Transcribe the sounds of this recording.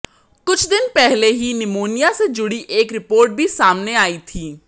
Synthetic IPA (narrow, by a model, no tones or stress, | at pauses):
kʊt͡ʃʰd̪ɪnpɛɦleːɦiːnɪmoːnɪjaːseːd͡ʒʊɽiːʔeːkɾɪpoːɾʈ̚bʱiːsaːmneːaːiːt̪ʰiː